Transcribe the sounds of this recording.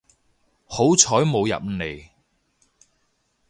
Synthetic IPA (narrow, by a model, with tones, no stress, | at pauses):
ho˨˥wt͡sʰɔː˨˥jmo˨˧wjɐ̰˨p̚ne˨˩j